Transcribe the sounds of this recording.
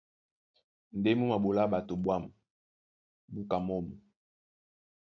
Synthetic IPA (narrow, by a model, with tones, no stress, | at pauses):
n˨de˦mu˦ma˨bo˨la˦ɓa˨to˨bwa˦˨mu˨ | bu˦ka˨mɔ˦˨mu˨